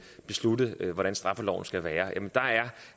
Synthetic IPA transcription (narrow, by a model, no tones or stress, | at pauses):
b̥e̝slud̥ð̩ʋɒɾ̥ænsd̥ʁɑ̈fəlɒ̰ʊ̰n̩sɡ̥æʋæːɐjæmend̥ɑ̈æɐ